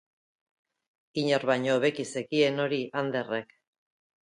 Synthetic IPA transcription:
iɲeɾβajɲoβe̞kisekie̞no̞ɾiʔand̪e̞rek

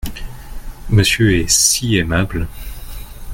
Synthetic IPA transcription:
məsjøɛsiemabl

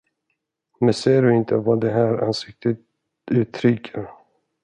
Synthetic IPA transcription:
mɛnseːəɖɵɪnt̪ʰəvad̪ɛɦæːɾa̰nsɪk̚t̪ʰət̪ | ʉ̟ːt̪ʰɾʏkʰəɾ

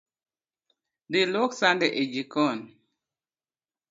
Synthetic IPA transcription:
dɪloksandɛʔed͡ʒikɔn

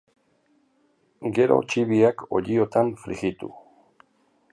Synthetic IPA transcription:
ɡe̞ɾo̞̰t͡ʃiβiakʰo̞̰ʎio̞t̪anfɾiɣit̪ṵ

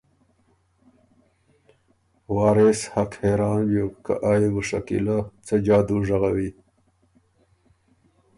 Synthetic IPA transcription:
wɑːɾeshakheːɾɑːnjoka̰ʔaːiɡuʂa̰kḭlat͡sad͡ʑaːd̪uʐaɣawi

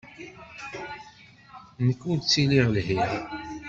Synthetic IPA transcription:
nəkːunt͡sːiliʁlhi

